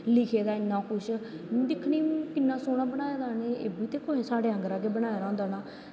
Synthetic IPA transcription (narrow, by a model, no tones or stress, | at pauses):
lɪkʰeːd̪aːɪnːãːkʰʊʃ | d̪ɪkʰːniːkɪnːãːsoːnaːbənaːeːd̪aːneːḛːbiːt̪eːkoːɦẽːsaːɖeːə̃ŋɡəɾaːɡeːbənaːeːɾãːnd̪aːnaː